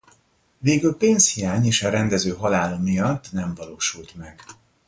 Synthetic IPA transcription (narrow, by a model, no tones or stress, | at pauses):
veːɡylpeːnshijaːɲeːʃɒɾɛnd̪ɛzøːɦɒlaːlomijɒt̪ːnɛɱvɒloːʃult̪mɛɡ̥